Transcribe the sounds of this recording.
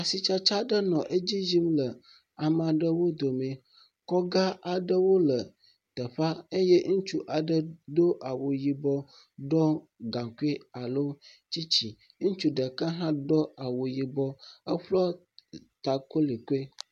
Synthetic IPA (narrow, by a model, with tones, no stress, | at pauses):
a˨si˨t͡ʃa˦t͡ʃa˦ɖə˦nɔ̃˨ʔe˦d͡ʑi˦zi˦mlə˨ | a˨mã˨ɖə˦wo˦d̪o˨mẽ˨ | kɔ˦ɡa˦a˨ɖə˦wo˦lə˨ | t̪ə˨ɸa˦ə˦jɛ˦ŋũ˦t͡ʃu˦ʔa˨ɖə˦d̪o˦ʔa˨wo˨ji˨bɔ˦ | ɖɔ˦ | ɡã˨ku˦e˦a˨lo˦ | t͡ɕi˦t͡ɕi˨ | ŋũ˦t͡ʃu˦ɖə˨kə˦ɦã˦dɔ˦a˨wo˨ji˨bɔ˦ə˦ɸlɔ˦ | t̪a˨ko˦li˨ku˦e˦